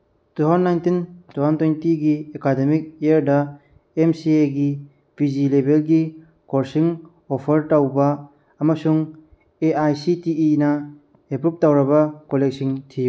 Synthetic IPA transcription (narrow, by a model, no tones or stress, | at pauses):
tuɦanːajntintuɦantojntiɡiekademik̚eɐɾdɐ | emsieɡi | pizilebelɡi | koɾsiŋ | opʰɐɾtawbɐː | mɐsuŋ | eajsitiːnɐ | epɾup̚tawɾɐbɐkolek̚siŋtʰiju